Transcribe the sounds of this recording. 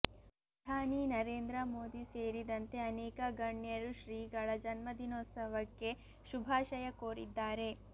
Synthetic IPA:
pɾɐɐd̪ʱaːninɐɾeːnd̪ɾɐmoːd̪iseːɾid̪ɐnt̪e̞ɐneːkɐɡɐɳjɐɾuʃɾiːɡɐɭɐd͡ʒɐnmɐd̪inoːt̪sɐʋɐkːe̞ | ʃubʱaːʃɐjɐkoːɾḭd̪ːaːɾe̞

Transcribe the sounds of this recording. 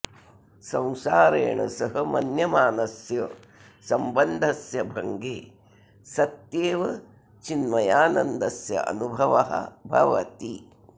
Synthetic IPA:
sɐ̃w̃saːɾeːɳɐ̰sɐɦɐmɐnjɐmaːnɐsjɐ | sɐmbɐnd̪ʱɐsjɐbʱɐŋɡeː | sɐt̪jeːʋɐ | t͡ʃinmɐjaːnɐnd̪ɐsjɐ̰ʔɐ̰nubʱɐʋɐɦɐ̰bʱɐ̰ʋɐ̰t̪i

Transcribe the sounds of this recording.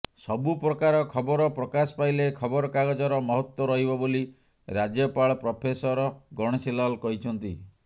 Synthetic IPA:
sɔbupɾɔkaɾɔkʰɔbɔɾɔpɾɔkasɔ̥pajlekʰɔbɔɾɔkaɡɔd͡ʒɔɾɔmɔɦɔt̪wɔɾɔɦibɔboli | ɾad͡ʒjɔpaɭɔpɾɔpʰesɔɾɔɡɔɽ̃ɔsilalkɔɦit͡ʃʰɔnt̪i

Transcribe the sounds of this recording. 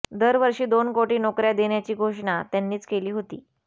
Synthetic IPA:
d̪əɾʋəɾʂiːd̪onkoʈiːnokɾjad̪eɳjat͡ɕiːɡʱoʂɳat̪janːiːt͡skeliːɦot̪iː

